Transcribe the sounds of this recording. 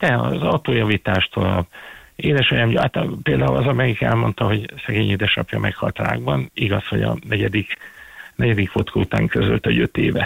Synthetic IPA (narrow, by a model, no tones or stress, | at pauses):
d̪̥ɛɒzɒwt̪oːjɒviːt̪aːʃt̪ʰolɒ̰beːd̪ɛʃojɒmjat̪peːld̪aːulʔɒzɒmɛɡikɛ̰lmo̞nt̪ɒɦo̞ɟsɛɡeːɲiːd̪ɛʃnɒpjɒmʔɛkhɒ̰lt̪ra̰ːɡbɒniɡɒsho̞ɟɒ̰nɛɟɛd̪iknɛɟɛd̪ikfot̪kʰɒut̪a̰ːŋkʰøzølt̪ɒɟø̞t̪eːvɛ